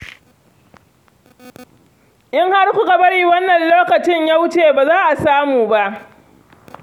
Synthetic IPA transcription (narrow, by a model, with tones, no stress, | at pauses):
ʔɪ˦ŋha˦rkʷʊ˦ka˨bɐ˦ɽi˦˨wɐ˦nːɐ˨nloː˦kɐ˨t͡ʃɪ˦ɲja˦wt͡ʃeː˨baː˨zaː˦ʔa˨saː˦muː˨ba˦ʔ